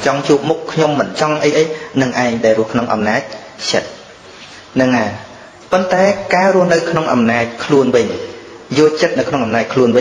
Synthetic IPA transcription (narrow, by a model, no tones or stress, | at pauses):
t͡ɕɑŋt͡ɕuəp̚mukʰːɲomːɨnt͡ɕɑŋʔəjʔəjnɨŋʔaɛŋɗaɛlrʊ̆əhkʰnoŋʔɑ̰mnaːc̚ | t͡ɕə̰t̪̚ | nɨŋːaː | pont̪aɛkaːrŭəhnɨwkʰnoŋʔɑ̰mnaːc̚kʰluənʋɨɲ | joːlt͡ɕət̪̚nɨwkʰnoŋʔɑmnaːc̚kʰluənʋɨ